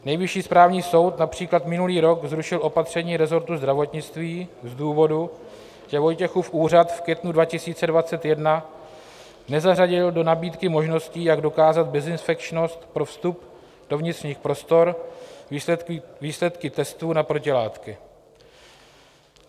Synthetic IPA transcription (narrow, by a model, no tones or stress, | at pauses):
nɛjvɪʃiːspɾaːvɲiːso̞wt̪napr̝̥iːklat̪mɪnuliːɾo̞kzɾuʃɪlʔo̞pat̪r̝̥ɛɲiːɾɛzo̞ɾt̪uzd̪ɾavo̞t̪ɲɪt͡st̪viːzduːvo̞du | cɛvo̞jcɛxufʔuːr̝at̪fkjɛt̪nudvacɪsiːt͡sɛdvat͡sɛt̪jɛdna | nɛzaraɟɪldo̞nabiːt̪kɪmo̞ʒno̞sciːjaɡdo̞kaːzat̪̚bɛzɪnsfɛkt͡ʃno̞st̪pɾo̞fst̪up | d̥o̞vɲɪt̪rɲiːxpɾo̞st̪o̞ɾ | viːslɛt̪kɪt̪ɛst̪uːnapɾo̞cɪlaːt̪kɪ